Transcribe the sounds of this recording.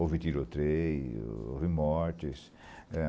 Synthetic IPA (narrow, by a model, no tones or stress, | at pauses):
ovit̪iɾot̪ɾej̰o̰vimɔɾt̪is | ɛ